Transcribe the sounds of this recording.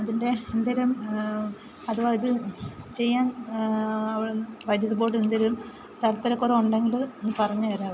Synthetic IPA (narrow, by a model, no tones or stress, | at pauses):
ɐðinde̞end̪ɐɾɐm | ɐðuʋoiðɨt͡ɕe̞jːaːn | ɐʋiɭeʋɐd̪jɐðubo̞ːɽend̪ɐɾum | t̪ɐlɐt̪ːɐɾɐkːureuɳɖe̞ŋɡiɭenːɨpɐrɐɲːuɐɾaːʋɨ